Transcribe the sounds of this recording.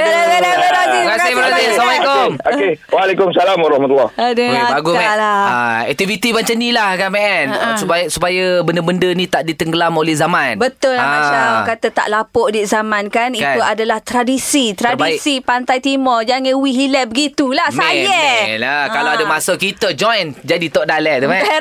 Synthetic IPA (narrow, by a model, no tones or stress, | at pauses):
laadaaɾasikasɪhbɾaasesamakomoewalekʊmsalamwaɾɑhmat̪ulːɔhadəabaɡumalaaɛ̰k̚t̪ivit̪ibaɲt͡ʃənilahkanmɛʔɛnsupasupajabəndəbəndənĩt̪aʔdit̪əŋɡəlamolɛhzamãnbət̪ʊlaat͡ʃakat̪at̪a̰ʔlapɔʔdiʔzamãnkanikuadalaht̪ɾadisit̪ɾadisipant̪ajt̪imɔd͡ʒaŋəwiɦilɛʔ̚bəɡit̪ulasajalakalawadamasəkit̪əd͡ʒɔjnd͡ʒadit̪ɔʔdalɛʔ̚d̪əma